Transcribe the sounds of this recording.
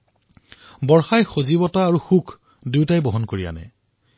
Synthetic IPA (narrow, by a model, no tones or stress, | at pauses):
bɔɹxajxozibɔtaːɹuxukʰ | duwtajboɦɔnkoɹija̰nɛ̰